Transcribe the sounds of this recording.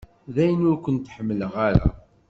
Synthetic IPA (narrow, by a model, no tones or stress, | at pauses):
ðæjənʊɾkʷːənt̪ħəmːələʁaɾa̰